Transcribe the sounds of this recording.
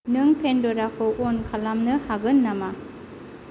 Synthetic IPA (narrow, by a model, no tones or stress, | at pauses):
nɯŋpʰendoɾakʰɯʔonkʰalamnɯhaɡɯnːama